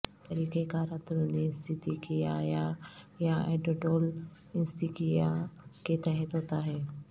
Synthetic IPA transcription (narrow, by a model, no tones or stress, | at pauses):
t̪ɐɾiːkekaːɾat̪ɾonist̪ʰɪt̪ikijaja | jaeːɖoɖoːl | ɪnst̪ikijaket̪ɛɦɛt̪ɦoːt̪aɦɛː